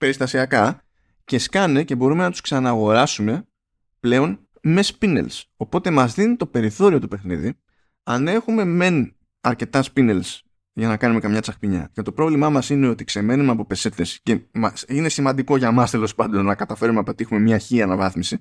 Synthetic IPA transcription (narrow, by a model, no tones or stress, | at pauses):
pe̞ɾist̪ɐsiɐkɐ | ce̞skɐne̞ce̞bo̞ɾume̞nɐt̪u̥sksɐnɐɣo̞ɾɐsume̞ | ple̞o̞n | me̞spine̞̰lso̞po̞t̪e̞mɐzðinit̪o̞pe̞ɾiθo̞ɾio̞t̪upe̞xnḭðḭ | ɐne̞xume̞me̞n | ɐɾce̞t̪ɐspinels | ʝɐnɐkɐnume̞kɐmɲɐt͡sɐxpiɲɐ̰ce̞t̪o̞pɾo̞vlimɐmɐsine̞o̞t̪ikse̞me̞numeɐpo̞pe̞se̞t̪e̞sce̞mɐsine̞simɐnd̪iko̞ʝɐmɐst̪e̞lo̞spɐnd̪o̞nːɐkɐt̪ɐfe̞ɾumeɐpot̪ixume̞mɲɐçiɐnɐvɐθmisi